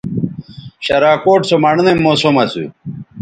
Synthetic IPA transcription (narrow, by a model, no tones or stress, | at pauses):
ɕɐɾaːkoːʈsomɐɽnemoːsomɐsṵ